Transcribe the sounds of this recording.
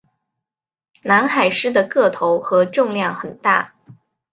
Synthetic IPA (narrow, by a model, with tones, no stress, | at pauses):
na˧˥nxa˨˩ɪʂɻ̩˥d̪ə˨kɤ˥˩t̪ʰo˧˥ʊxɤ˧˥ʈ͡ʂʊ˥˧ŋljɑ˥˩ŋxə˨˩nt̪a̰˥˩